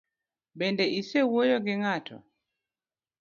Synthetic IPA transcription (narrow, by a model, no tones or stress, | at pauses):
bɛndɛʔisɛwojɔɡɛŋatʰɔ̰